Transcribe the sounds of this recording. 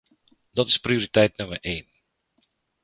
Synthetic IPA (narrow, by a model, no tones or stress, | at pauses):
dɔtɪ̥sprioɾitɛjtnɵməɹʔeːn